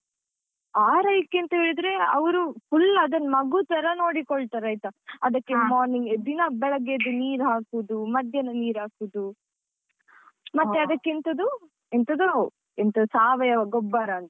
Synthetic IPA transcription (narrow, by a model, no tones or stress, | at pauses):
aːɾɐjkːint̪ɐɦiɭid̪ɾe̞ɐʋɐɾupʰulːɐd̪ɐnmɐɡut̪ɐɾɐno̞ːɽikɔɭt̪ɐɾɐjt̪ɐɐd̪ɐkːemaːɾniŋɡd̪inɐbɛɭɐɡed̪uniːɾɦaːkud̪umɐd̪ʱjɐnɐniːɾaːkud̪u | mɐt̪ːeɐd̪ɐkːint̪ɐd̪u | ent̪ɐd̪u | ent̪ɐusaːʋɐjɐʋɐɡɔbːaːɾɐːnt̪ɐ